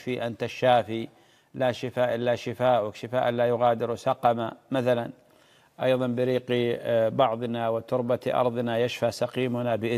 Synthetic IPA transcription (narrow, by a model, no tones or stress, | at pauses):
fiʔant̪aʃːaːfi | laʃɪfaːʔɪlːaʃɪfaːʔʊkʃɪfaːʔɪlːajʊɣaːd̪ɪɾsɑqɑmamaθalan | ʔɑjðˤɑnbɪɾiːqbɑʕðˤnawɪt̪ʊɾbat̪ʔɑ̰ɾˤðˤnajaʃfasɑqiːmʊnabɪʔɪ